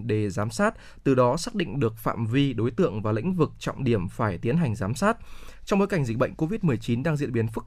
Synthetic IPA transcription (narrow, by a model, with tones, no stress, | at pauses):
ɗe˧˩zaː˨˦msaː˦˥t̚ | t̪ɨ˨˩ɗɔ˨˦saː˦˥k̚ɗḭ̈˧˨ŋ̟ɗɨ˨˩ək̚fa̰ː˧˨mvi˧ɗo˨˦jt̪ɨ̰˧˨əŋvaː˨˩lḭ̈˧˥ŋ̟vɨ˨˩k̚t͡ɕɔ̰˧˨wŋ͡mɗi˧˩əmfaː˧˩jt̪i˨˦ənɦa˨˩jŋ̟zaː˨˦msaː˦˥t̚t͡ɕɔ˧wŋ͡mɓo˨˦jka˧˩jŋ̟zi˨˩k̟̚ɓə̰˧˨ŋ̟ko˧vi˦˥t̚mɨ˨˩əjt͡ɕi˨˦nɗaː˧ŋzḭ˧˨əɓi˨˦ənfɨ˦˥k̚